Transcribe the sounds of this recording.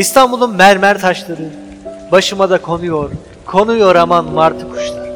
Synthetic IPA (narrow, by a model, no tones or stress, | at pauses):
ist̪ʰanbulˠunmæɾmæɾt̪ʰaʃlˠaɾɯ | baʃɯmad̪akʰo̞nujo̞ɾ | kʰo̞nujo̞ɾamanmaɾt̪ʰɯkʰu̥ʃlˠaɾ